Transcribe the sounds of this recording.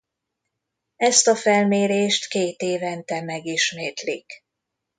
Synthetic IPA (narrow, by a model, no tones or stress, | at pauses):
ɛst̪ɒfɛlmeːɾeːʃt̪keːt̪eːvɛnt̪ɛmɛɡiʃmeːt̪lik